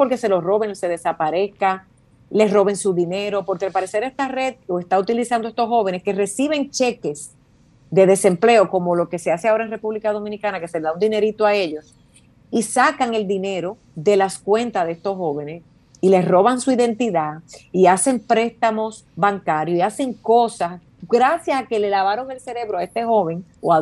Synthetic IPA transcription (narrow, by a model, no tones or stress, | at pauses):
po̞ɾke̞selo̞sro̞βeŋse̞ðesapaɾe̞ska | le̞sro̞βe̞ŋsuðine̞ɾo̞po̞ɾke̞alpaɾe̞se̞ɾest̪are̞ð̚loest̪aut̪ilisand̪oe̞st̪o̞sho̞βene̞ske̞re̞siβe̞ŋt͡ʃe̞ke̞s | d̪e̞ðe̞se̞mple̞oko̞mo̞lo̞ke̞se̞ase̞ao̞ɾaeŋnrepuβlikað̞o̞mĩnikanake̞se̞leðaund̪ine̞ɾit̪oae̞ʎo̞s | isakaŋe̞ld̪ine̞ɾo̞ | ðe̞laskwẽ̞nt̪aðeest̪o̞sɦo̞βe̞nes | ile̞sro̞βaŋsuiðe̞nt̪iðaiase̞mpɾe̞st̪amo̞s | baŋkaɾjoiase̞ŋko̞sas | ɡɾasjasake̞le̞laβaɾo̞ŋe̞lse̞ɾe̞βɾoae̞st̪e̞ho̞βe̞ŋoa